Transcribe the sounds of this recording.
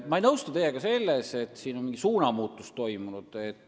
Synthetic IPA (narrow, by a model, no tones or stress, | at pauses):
mɑejnɤwst̪ɑt̪e̞je̞ɡ̥ɑse̞lːese̞t̪ːˑsiːno̞nmiŋɡisuːnɑmuːt̪ːˑust̪ːo̞jmunud̪̥et̪ːˑ